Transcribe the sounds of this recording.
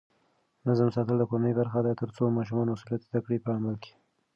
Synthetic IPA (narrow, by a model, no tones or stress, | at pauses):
nazamsɑt̪əld̪əkoɾanəjbaɾxad̪ajt̪əɾt͡somɑʃumɑnwasulijat̪d̪akɽipəamalkʰe̥